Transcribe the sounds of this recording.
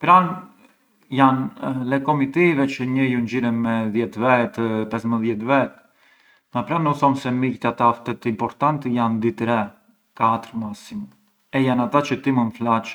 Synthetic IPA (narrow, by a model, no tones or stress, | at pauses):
pɾan | janlɛkɔmit̪ivɛt͡ʃəɲəjund͡ʑiɾɛnmɛðjɛt̪vɛt̪pɛsməðjɛt̪vɛt̪ | ŋapɾanːuθɔmsɛmict̪iat̪aft̪ɛt̪impɔɾt̪ant̪əjand̪it̪ɾɛ | kat̪əɾmasim | ɛjanat̪at͡ʃət̪imənflat͡ʃ